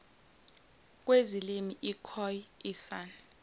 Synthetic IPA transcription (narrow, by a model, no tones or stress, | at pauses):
k̬ʼwezilimiʔikʰɔjisaːni